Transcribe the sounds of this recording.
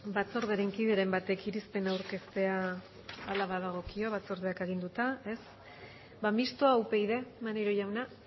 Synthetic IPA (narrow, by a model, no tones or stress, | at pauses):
bat͡so̞ɾð̞eɾeŋkiðe̞ɾe̞mbat̪e̞kiɾispe̞nawɾke̞st̪e̞aː | laβað̞aɣ̞o̞kio̞βat͡so̞ɾð̞e̞akeɣ̞ind̪ut̪ae̞s | bamist̪oauwpe̞jðe̞maneɾo̞ʝawna